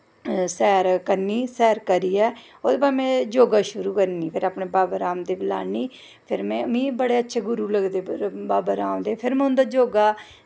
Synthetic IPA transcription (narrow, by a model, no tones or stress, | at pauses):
sɛːɾkəɾniːsɛːɾkəɾiːɛː | oːd̪eːbaːd͡ʒmɛ̃ːd͡ʒoːɡaːʃʊɾuːkəɾniːpʰɪɾaːpɳeːbaːbaːɾaːmd̪eːbɪla̰ːniː | pʰɪɾmɛ̃ːmĩːbəɽeːətːʃʰeːɡʊɾuːləɡd̪eːbaːbaɾaːmd̪eːpʰɪɾmɛ̃ːʊ̃nd̪aːd͡ʒoːɡaː